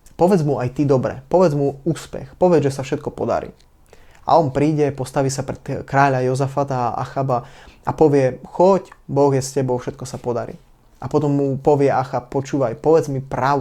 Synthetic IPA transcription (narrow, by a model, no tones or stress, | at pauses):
pɔʋɛd͡zmuajt̪id̪ɔbɾɛ̰pɔʋɛd͡zmuuːspɛ̰xpɔʋɛd͡zʒɛsafʃɛt̪̚kɔpɔd̪a̰ɾḭː | a̰ɔnpɾiːɟɛpɔst̪aʋisapɾɛt̪kɾaːʎajɔzafat̪aːa̰xabaapɔʋɪɛxɔcbɔɣjɛscɛbɔʊfʃɛt̪̚kɔsapɔd̪aɾḭː | apɔt̪ɔmːupɔʋɪɛaxappɔt͡ʃuːʋajpɔʋɛd͡zmipɾaʊ